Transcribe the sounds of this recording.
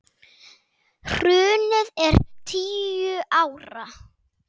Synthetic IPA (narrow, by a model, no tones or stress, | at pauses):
r̥ʏːnɪðɛɾt̪ʰiːjʏʔawɾa